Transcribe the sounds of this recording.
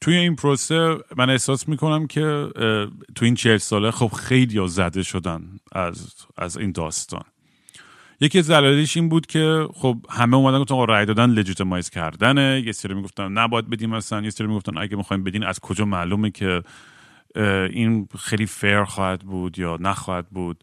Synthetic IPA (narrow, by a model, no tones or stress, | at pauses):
t̪ʰujeinpʰɾose̞mæne̞hsɒːsmiːkʰo̞næmcʰe̞ | t̪ʰuiːnt͡ʃʰelsɒːlexob̥xe̞jlijɒzæd̪e̞ʃo̞d̪ænæ̰z | æ̰zḭːnd̪ɒːst̪ɒ̰ːn | jecʰiæzælɒːliʃinbuːd̪̥cʲʰe̞xob̚hæmeuːmæd̪ænɡoft̪ænːɾæjd̪ɒːd̪ænle̞d͡ʒuːt̪ʰemɒːjz̥cʰæ̰ɾd̪ænejesiɾimiɡo̞ft̪ænːæbɔːjæd̪̚be̞d̪iːmæsænjesiɾimiɡoft̪ænʔæ̰ɡæmixɒːhiːmbeiːmæ̰z̥kʰod͡ʒɒːmæːlumecʰe̞ | inxejlife̞ɾxɒːhæd̪buːd̪jɒːnæxɒːhæd̪̚buːd̪̥̚